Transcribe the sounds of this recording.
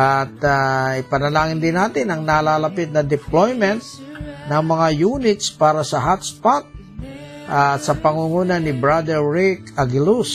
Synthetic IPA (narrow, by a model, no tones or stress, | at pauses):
ʔat̪aɪpɐnɐlaːŋɪnd̪ɪnːaːt̪ɪnɐŋnalaːlɐpɪt̪̚nɐd̪ɪplojmɛnt̪̚ | nɐŋmɐŋajuːnɪt̪spaːɾɐsɐɦat̪spat̪̚ | ʔat̪sɐpɐŋuŋuːnɐnɪbɹad̪ɛɹɹɪkɐɡɪlus